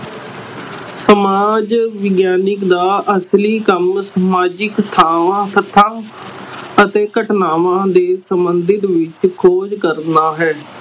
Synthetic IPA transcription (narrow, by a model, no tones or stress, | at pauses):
səmaːd͡ʒʋɪɡjaːnɪkd̪aːʔəsliːkəmsəmaːd͡ʒɪkt̪ʰaːʋãːt̪ʰət̪ʰːãː | ət̪eːkəʈnaːʋãːd̪eːsəmbənd̪ɪt̪ʋɪt͡ʃkʰoːd͡ʒkəɾnaːɦɛː